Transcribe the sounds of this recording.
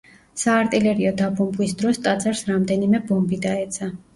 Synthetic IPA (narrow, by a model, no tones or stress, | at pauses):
saːɾt̪ʼilɛɾiɔd̪abɔmbwisd̪ɾɔst̪ʼad̪zaɾsɾamd̪ɛnimɛbɔmbid̪aɛt̪sʰa